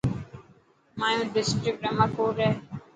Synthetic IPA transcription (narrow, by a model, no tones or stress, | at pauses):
maːjũːɖɪsʈɾɪk̚ʈɛmakoːɾɛ